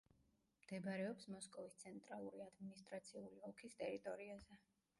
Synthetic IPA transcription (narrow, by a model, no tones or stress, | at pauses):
md̪̥ɛbɾɛɔpsmɔskʼɔvist̪sʰɛnt̪ʼɾalˠuɾiad̪minist̪ʼɾat̪sʰiuliɔkʰist̪ʼɛɾit̪ʼɔɾiazɛ